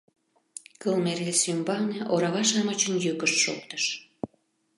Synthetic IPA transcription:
kəlmeresymbɑneʔoɾɑβɑʃɑmət͡ɕənjykəʃːo̰k̚t̪ə̥ʃ

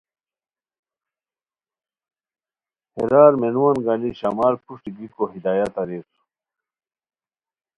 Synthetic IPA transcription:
hḛɾaːɾmenuwanɡɐniɕamaːlpuʂʈiɡikoɦid̪aːjat̪ɐɾiːsu̥

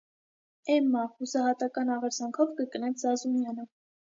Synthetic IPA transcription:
ɛmːɑhusɑɦɑt̪ɑkɑnɑʁɛɾzɑŋkʰɔvkəkənɛt͡sʰzɑzumjɑnə

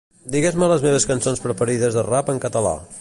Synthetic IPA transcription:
d̪iɣezmələzmeβ̞əskənsonspɾəpəɾiðəzðərapəŋkət̪əla̰

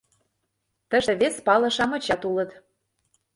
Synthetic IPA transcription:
t̪ə̆ʒĕβespɑlɤ̆ʃɑmɤ̆t͡ɕɑt̪ulə̆t̪

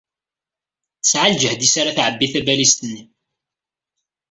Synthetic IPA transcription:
θsʕald͡ʒəhd̪isaɾaθʕəbːiθæbælist̪ənːi

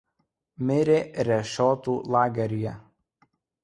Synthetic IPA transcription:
mʲɪɾʲeːɾʲɛʃʲɔːt̪uːlˠɑːɡʲɛɾʲɪjɛ

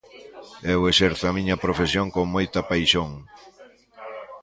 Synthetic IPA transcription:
ɛwesɛɾθʊamĩɲɐpɾofesjoŋkoŋmojt̪ɐpajʃoŋ

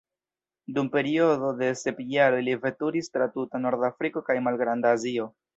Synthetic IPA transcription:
dumpe̞ɾio̞do̞de̞se̞pjaɾo̞jlive̞tuɾistɾatutano̞ɾdafɾiko̞kajmalɡɾandaːzio̞

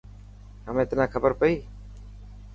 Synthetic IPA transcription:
ɦəmẽːt̪naːkʰəbəɾpəiː

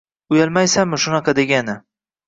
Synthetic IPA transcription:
ʊjalˠmajsamɪʃʊnɑqʰɑd̪e̞ɡʲanɪ

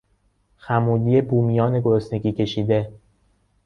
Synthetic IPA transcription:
xæmuːd̪iːjebuːmijɒːne̞ɡoɾosne̞ɡiːcʰe̞ʃiːd̪e̞

